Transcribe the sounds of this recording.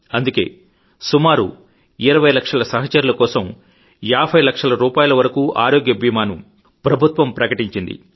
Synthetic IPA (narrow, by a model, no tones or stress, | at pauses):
ɐnd̪uke̞̰ː | sumaːɾṵ | iɾɐʋɐjlɐkʂɐlɐsɐɦɐt͡ʃɐɾulɐkɔːsɐm | jaːbʱɐjlɐkʂɐlɐɾuːpaːjulɐʋɐɾɐkuːʔa̰ːɾoːɡjɐbʱimaːnu | pɾɐbʱut̪ʋɐmpɾɐkɐʈiɲt͡ʃind̪ḭ